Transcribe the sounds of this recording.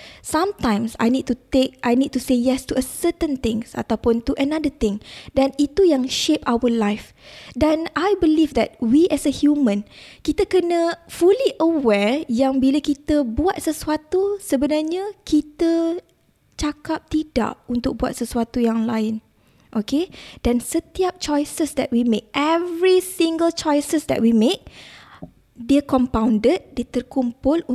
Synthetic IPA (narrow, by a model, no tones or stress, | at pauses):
sãmt̪ãjmsa̰jnid̚t̪ut̪ek̚ʔajnid̚t̪usejɛst̪uʔəsət̪ə̃nt̪ɪ̃ŋsa̰t̪awpʊnt̪uʔənadət̪ɪ̃ŋdanit̪ujaŋʃepawəlajf | danajbəlifd̪ɛ̰t̚wiʔɛsəhjumə̃nkit̪əkənə̃fuliʔəwɛjãŋbiləkit̪əbuat̪̚səsuat̪usəbənarɲəkit̪ə | t͡ʃakap̚t̪ida̰ʔunt̪ʊk̚bua̰t̪̚səsuat̪ujaŋlaɪn | ʔoked̥ansət̪iap̚t͡ʃɔjsəsd̪ɛ̰t̚wimẽk̚ɛvɾisiŋɡəlt͡ʃɔjsəsd̪ɛ̰ʔ̚wimẽk̚ | diəkɔmpawndəd̚diət̪ərkumpʊlu